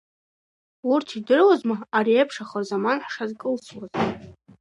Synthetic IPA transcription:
urtʰidɨrwazmaaɾiepʰʂaχarzamanħʂazkʼɨlt͡sʰwaz

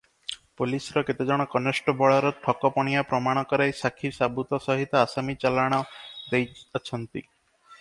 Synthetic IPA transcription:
polisɔɾɔket̪ed͡ʒɔɽ̃ɔkɔnesʈɔbɔɭɔɾɔʈʰɔkɔpɔɽ̃ijapɾɔmaɽ̃ɔkɔɾajsakʰisabut̪ɔsɔɦit̪ɔasamit͡ʃalaɽ̃ɔd̪ejɔt͡ʃʰɔnt̪i

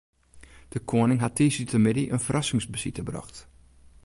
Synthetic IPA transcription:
d̥əkʰoənɪŋɦatʰːiːsytʰəmɪdiʔənfərʔɑsɪŋsbəsitəbrɔ̰xt

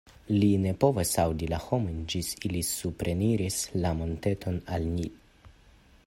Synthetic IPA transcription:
line̞po̞vasawdilaho̞mo̞jnd͡ʒisilisupɾe̞niɾislamo̞nte̞tʰo̞nalni

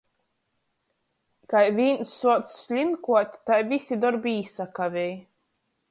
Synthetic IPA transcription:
kajvʲiːnsːuɔt̪ssʲlʲimkuɔt̪ʲt̪ajvʲisʲid̪ɔɾbiːsakavʲej

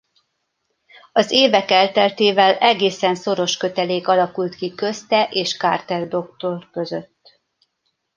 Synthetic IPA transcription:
ɒzeːvɛkɛlt̪ɛlt̪eːvɛlɛɡeːsɛnso̞ɾo̞ʃkø̞t̪ɛleːkɒlɒkult̪kikø̞st̪ɛʔeːʃka̰ːrt̪ɛrd̪o̞k̚t̪o̞rkø̞zøt̪ː

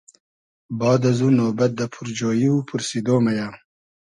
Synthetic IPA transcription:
bɑːd̪azunobat̪̚d̪əpʰuɾd͡ʒoːjiupʰuɾsid̪oːmaja

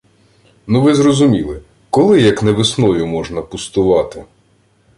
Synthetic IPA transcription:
nuʋɪzrɔzʊmʲilˠɪ | kɔlˠɪjɐknɛʋɪsnɔjʊmɔʒnɐpʊst̪ʊʋɑt̪ɪ

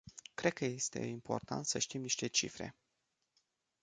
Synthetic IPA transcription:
kɾe̞d̪̚kəje̞st̪e̞̰impʰo̞̰rt̪a̰nt̪səʃt̪imniʃt̪e̞t͡ʃḭfɾe̞̰

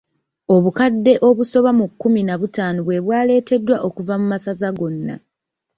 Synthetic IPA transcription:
o̞βukadːe̞ʔo̞βuso̞βamukːuminaβutaːnuβwe̞βwaːle̞ːte̞dːwaʔo̞kuvamumasazaɡo̞nːa̰

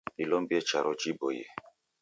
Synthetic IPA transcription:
ɗilɔmbiɛt͡ʃaɾɔd͡ʒibojɛ̰

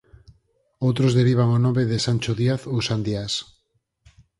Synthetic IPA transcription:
owt̪ɾozðeɾiβ̞aŋonõmeðesant͡ʃoðiaθosand̪ias

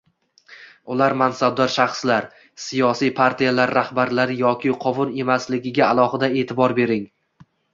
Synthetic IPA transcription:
ʊlaɾmansab̚d̪ɒɾʃaχslaɾ | sijɒsijpʰaɾt̪ʰijalaɾːahbaɾlaɾjɒkʲʰɪqʰɒvʊne̞maslɪɡʲɪɡʲaalˠɒhɪd̪ae̞ːt̪ʰɪbɒɾbe̞ɾɪŋ

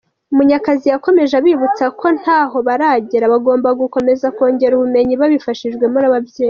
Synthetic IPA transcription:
umuɲakazijako̞me̞ʒaβiβut͡sakʰo̞n̥haːɦo̞βaɾaɟeɾaβaɡo̞ːmbaɡuko̞me̞zako̞ːɲɟe̞ɾuβume̞ɲiβaβifaʃiʒɡwe̞munaβavje̞ːj

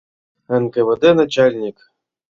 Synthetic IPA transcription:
ɘ̆nkɘvɘ̆d̪enat͡ɕalʲnʲik

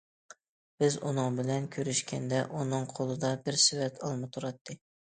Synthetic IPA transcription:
b̥ɪzunɨŋbɪlɛnkʲʰøɾyʃkʲɛnd̪ɛʔunɨŋqʰolˠɨd̪ɑbɪɾsɪvɛt̪ʰɑlˠmɨt̪ʰuɾɑt̪ʰːɨ

